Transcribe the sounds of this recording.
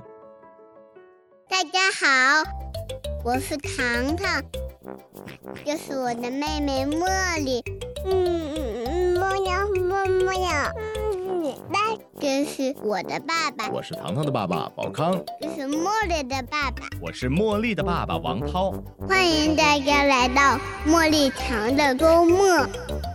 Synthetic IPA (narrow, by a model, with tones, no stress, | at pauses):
t̪a˥˩t͡ɕja˥xɑ˨˩ʊ | wɔ˨˩ʂɻ̩˥˩t̪ʰɑ˧˥ŋt̪ʰɑ˥˩ŋ | t͡ɕjo˥˧ʊʂɻ̩˥˩wɔ˨˩d̪ə˦me˥˩ɪme˧˥ɪmɔ˥˧li˨˩n̩˥˩ | mɔ˥˧ɲɑ˨˩mɔ˥˧mɔ˥ɲɑ˨˩˦ | ba˥˩ | ʈ͡ʂə˥ɕ̩˧˥wɔ˨˩d̪ə̰˦pa˥˩ba˨wɔ̰˨˩ʂɻ̩˥˩t̪ʰɑ̰˧˥ŋt̪ʰɑ˥ŋd̪ə˩pa˥˩pa̰˨˩pɑ̰˨˩ʊkʰɑ˥ŋʈ͡ʂo˥˧ʊʂɻ̩˥˧mwɔ˥˧li˥˩d̪ə˨pa˥˩ba̰˨˩wɔ̰˨˩ʂɻ̩˥˧mwɔ˥˧li˥˩d̪ə˩pa˥˩pa̰˨˩wɑ̰˧˥ŋt̪ʰɑ˥ʊ | xwa˥ni˧˥ŋt̪a˥ka˧˥la˧˥ɪt̪ɑ˥˧ʊmwɔ˥˧li˥˩t͡ɕʰjɑ˧˥ŋd̪ə˧ko˥ʊmɔ˥˩